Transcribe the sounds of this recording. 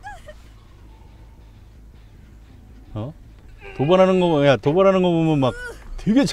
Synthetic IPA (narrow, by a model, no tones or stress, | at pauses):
ʌ | tobʌɾɦanɯnɡʌjat̪obʌɾɦanɯnɡʌpomjʌnmak̚twe̞ɡe̞t͡ɕʰ